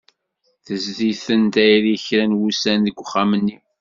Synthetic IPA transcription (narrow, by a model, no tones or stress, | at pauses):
θəzðiθənt̪æjɾiçɾænwusænðəɡʷχːæmənːi